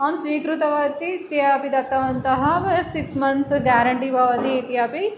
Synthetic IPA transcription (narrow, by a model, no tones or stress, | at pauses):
ansʋiːkɾut̪ɐʋat̪it̪iapid̪ɐt̪ɐʋɐnt̪ɐɦɐʋsiksmɐnsɡæɾɐɳʈiʋaʋɐt̪it̪japi